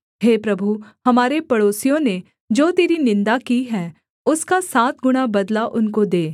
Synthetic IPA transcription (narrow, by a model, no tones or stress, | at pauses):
ɦeːpɾɐbʱuhɐmaːɾepɐɽoːsijõne | d͡ʒoːt̪eːɾinɪ̃nd̪akiɦɛ̃ː | ʊskasaːt̪ɡʊɽ̃abɐd̪laʔʊnkod̪eː